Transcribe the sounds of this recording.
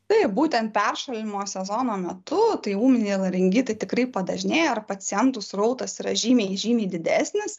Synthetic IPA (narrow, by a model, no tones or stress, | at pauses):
t̪ɐɪpbuːt̪ʲɛnt̪̚pʲɛrʃɐlʲɪmoːsʲɛzoːnoːmʲɛt̪ʊt̪ɐɪuːmʲɪnʲɛːlˠɐɾʲɪŋʲɡʲɪt̪ɐɪt̪ʲɪkɾɐɪpɐd̪ɐʒʲɪnʲeːjoɐrpɐsʲɪjɛnt̪ʊsrɐʊt̪ɐsiːɾɐʒʲiːmʲeːʒʲiːmʲeːd̪ʲɪd̪ʲæːsʲnʲɪs